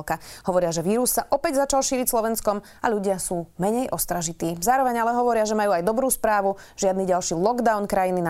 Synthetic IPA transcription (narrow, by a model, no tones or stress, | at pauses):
kaɦɔʋɔɾɪaʒɛʋiːɾussaʔɔpɛɟzat͡ʃalˠʃiːɾicslɔʋɛnskɔm | aʎuɟɪasuːmɛɲɛjʔɔst̪ɾaʒit̪iːzaːɾɔʋɛɲalɛɦɔʋɔɾɪaʒɛmajuːajd̪ɔbɾuːspɾaːʋuʒ̥ɪad̪niɟalʃiːlˠɔɡd̪aʊnkɾajinina